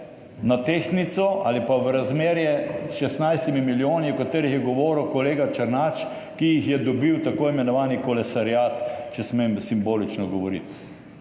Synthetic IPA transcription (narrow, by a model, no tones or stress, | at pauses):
nat̪eːxnit̪sɔalipaʋɾazmeːɾjɛsʃɛst̪najst̪imimiljoːniukat̪eːɾixjɛɡɔʋɔːɾwkɔleːɡat͡ʃɐɾnat͡ʃ | kijixjɛd̪ɔbiwt̪akoːimɛnɔʋaːnikɔlɛsaɾjaːt̪t͡ʃɛsmemsimboːlit͡ʃnɔɡɔʋɔɾḭt̪